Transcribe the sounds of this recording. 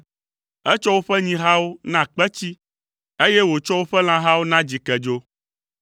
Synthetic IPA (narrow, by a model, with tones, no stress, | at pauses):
ɛ˦t͡ʃɔ˦wo˦ɸɛ˦ɲĩ˦ɦa˦wo˦nã˦k͡pɛ˦t͡ɕi˦ | e˦jɛ˦wo˨t͡ʃɔ˦wo˦ɸɛ˦l̃ã˦ɦa˦wo˦nã˦d͡ʑi˨kɛ˨d͡ʒo˦